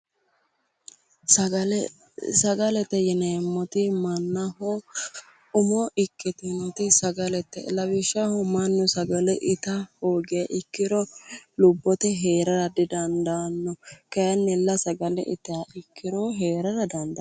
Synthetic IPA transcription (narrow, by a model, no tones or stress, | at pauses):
ɐ | sɐɡɐlɛt̪ːɛjɛneːmːɔt̪ɪmɐnːɐɦɔ | ʊmɔʔɪkːɪt̪ɪnɔt̪ɪsɐɡɐlɛt̪ːɛ̰lɐbɪʃːɐhʊmɐnːɔsɐɡɐlɛʔɪt̪ɐhoːɡɪjɐʔɪkːɪɾɔlʊbːɔt̪ɛɦe̞ːɾɐɾɐd̪ɪd̪ɐnd̪anːɔkɐjɐnːɛlːɐsɐɡɐlɛ̰ʔɪ̰t̪ːɪjaʔɪkʰːɪɾɔɦe̞ːɾɐɾɐd̪ɐnd̪ɐ